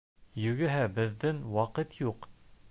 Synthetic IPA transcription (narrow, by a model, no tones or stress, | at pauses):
jɵ̆ɡɘ̆ɦæbɘ̆ðːɘnwɑqɤt̪juq